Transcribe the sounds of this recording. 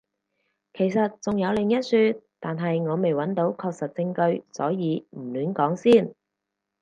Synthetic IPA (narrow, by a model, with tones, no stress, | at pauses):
kʰe˨˩jsɐ˨t̚t͡sʊ˨ŋjɐ˨˧wlɪ˨˩ŋjɐ˥t̚syː˧tt̪aː˨nɦɐ˨jŋɔː˨˧me˨jwɐ˨˥nt̪o˨˥wkʰɔː˧k̚sɐ˨t̚t͡sɪ˧ŋkɵ˧ɥsɔ̰ː˨˥jiː˨˧m̩˨˩lyː˨˥nkɔː˨˥ŋsiː˥˩n